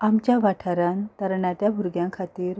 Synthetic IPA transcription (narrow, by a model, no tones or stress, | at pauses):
amt͡ɕjaʋaʈʰaɾant̪əɾɳat̪jabʱuɾɡjãkʰat̪iːɾ